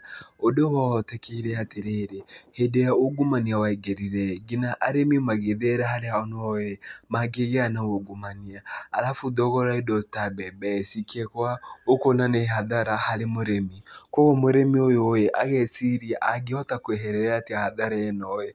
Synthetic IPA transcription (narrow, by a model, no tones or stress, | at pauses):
odowaɔtɛkeɾeateɾeːɾehedejaoɡumaniawaeɡeɾiɾɛɡinaʔaɾemimaɣeðeɾahaɾeaɔnemaɡeɣeanaoɡumaniaalafudɔɣɔɾaedɔtabɛbɛsikɛkwaokonaneɦaðaɾahaɾemoɾemikoɣomoɾemiojojeʔaɣɛsiɾiaʔaɡeɔtakweɦɛɾɛɾatiahaðaɾaɛnɔɛ